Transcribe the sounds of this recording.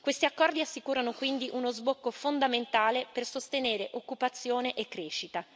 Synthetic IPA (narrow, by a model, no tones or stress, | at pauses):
kwest̪iakːɔrd̪iasːikuːɾanokwind̪iʔunozbokːofond̪ament̪aːlepersost̪eneːɾeʔokːupat̪sːjoːneʔekːɾeːʃit̪a